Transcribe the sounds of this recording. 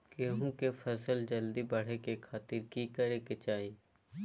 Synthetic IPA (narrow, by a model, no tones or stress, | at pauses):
keːɦũkefʰɐsəld͡ʒəld̪ibɐɽ̤ekekʰaːt̪ɪɾkikəɾeket͡ʃaːiː